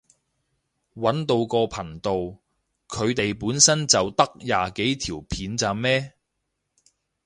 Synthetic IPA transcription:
wɐ˨˥nt̪o˧wkɔː˧pʰɐ˨˩ŋt̪o˨w | kʰɵ˨˧ɥt̪e˨jpuː˨˥nsɐ˥nt͡sɐ˨wt̪ɐ˥k̚jaː˨ke˨˥jt̪ʰiː˨˩wpʰiː˨˥nt͡saː˨˧mɛː˥

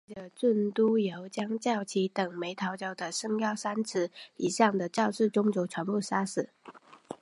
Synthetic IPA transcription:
ʈ͡ʂə˨˩t͡swə˥˩nt̪u˥jo˧˥ʊt͡ɕjɑ˥ŋt͡ɕjɑ˥˩ʊt͡ɕʰi˧˥t̪ə˨˩ŋme˧˥ɪt̪ʰɑ˧˥ʊt͡ɕjɑ˧˥ʊd̪ə˨ʂɤ˥ŋjɑ˥˩ʊsa˥nt͡s̩ʰ˧˥i˨˩ɕɑ˥˩ŋd̪ə˩t͡ɕjɑ˥˧ʊʂɻ̩˥˩ʈ͡ʂʊ˥ŋt͡so˧˥ʈ͡ʂʰwa˧˥npu˥˩sa˥sɹ̩˨˩˦

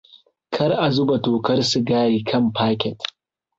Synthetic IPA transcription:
kʰɐ˦rʔa˨zʊ˦ba˨toː˨kɐ˦rsʊ˨ɡaː˦ɽiː˨kʰɐ˦˨mpaː˦kʲɛ˨t

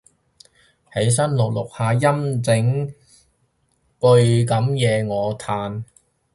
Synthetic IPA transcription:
he˨˥js̬ɐ˥nlʊ˨k̚lʊ˨k̚haː˨˧jɐ˥mt͡sɪ˨˥ŋ | kɵ˧ɥkɐ˨˥mjɛː˨˧ŋɔː˨˧t̪ʰaː˨˧n

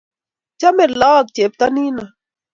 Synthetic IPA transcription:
t͡ʃa˦me˨ɾlaː˦˨k̚t͡ʃe˨p̚t̪a˦niː˦na˨

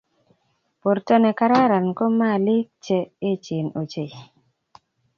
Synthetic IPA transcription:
po˨ɾtɔ˦nɛ˨ka˦ɾa˦ɾa˨nko˦ma˦˨lɪ˦k̚t͡ʃe˨e˦t͡ʃi˨no˨t͡ʃe˨

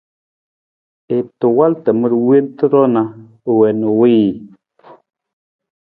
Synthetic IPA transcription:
e˨tə˨wa˦ltə˨mə˦ɾwe˦ntə˦ɾɔ˦na˨ | wɛ˨nu˨wi˦˨

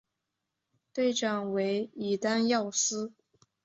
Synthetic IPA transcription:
t̪we˥˩ɪʈ͡ʂɑ˥˩ŋwe˧˥ɪi˨˩t̪a˥njɑ˥˩ʊsɹ̩˥

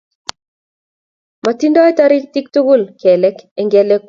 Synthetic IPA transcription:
ma˨ti˦ndɔ˦ɛ˦ta˦ɾɪti˦k̚tʊ˦ɡʊ˦lkʰɛ˨lɛ˦kɛ˨ŋɡɛlɛ˦k

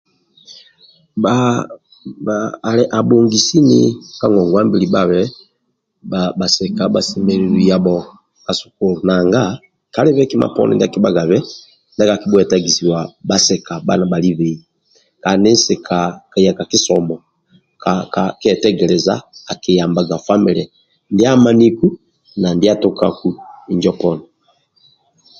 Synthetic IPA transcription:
ba˨ | lɛ˨ʔa˨bo˨ŋɡi˨si˦nḭ˦ka˦ŋɡɔ˨ŋɡwa˦mbi˨li˨ba˨βɛ˦ | ba˨ba˨sɛ˨ka˨ɓa˨si˨mɛ˨li˨βi˨ja˨ɓɔ˨ | ka˨su̥˨ko˦lna˨ŋɡa˦ | ka˨˦lɛ˦βɛ˦ki˦ma̰˨pɔ̰˦nɛ̰˨nda˦˨ki˦ba˦ɡa˨βɛ˦ | nɛ˦ka˨ki˦ɓu˦ɛ˨ta˦ɡi˨si˨wa˨ba˦sɛ˨ka˨ba̰˦na˨ba˨li˦βɛ˨ | ka˨ndi˦n˦si˨kʰa˨ka˨ja˨kaki˦sɔmbɔ˨ | kakakɛ˨tɛ˦ɡɛ˨lɛ˨za̰ː˦˨ki˨ja˨mba˨ɡa˨fa˦mi˨lɛ˨ | ndi˦a˦ma˦ni˦ku˦ | na˨ndi˦a˦tu˦ka˨ku˦i˨ɲd͡ʒɔpɔ˦nɔ

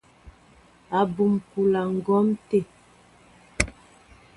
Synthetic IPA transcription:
a˨bu˨mpu˨la˨ŋ̩˨ɡɔ˦mte˦˨

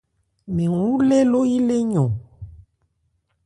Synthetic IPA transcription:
mẽ˨wũ˦le˦lo˦ji˦le˦ɲɔ̃˨

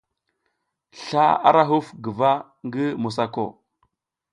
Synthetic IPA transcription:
ɬa˦a̰˦ɾa˦ɦu˦fɡə˨va˦ | ŋɡi˦mu˨sa˨ko̰˨

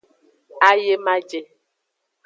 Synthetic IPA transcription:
a˦je˦ma˦d͡ʒe˨

